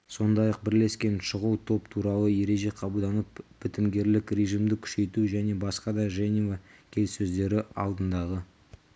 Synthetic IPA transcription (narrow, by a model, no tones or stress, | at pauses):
so̞nd̪ɑjɑq̚bɪɾle̞skʲe̞nʃəʁəlˠt̪ʰo̞pt̪ʰuɾɑlˠəje̞ɾe̞ʒe̞qʰɑbəlˠd̪ɑnəpb̥ɪt̪ɪmɡʲe̞ɾlɪkɾeʒimd̪ɪkʲʰʏ̥ʃe̞jt̪uʒæne̞bɑsqɑd̪ɑʒenʲivakʲʰe̞lsɵzd̪e̞ɾɪɑ̰lˠd̪ənd̪ɑʁə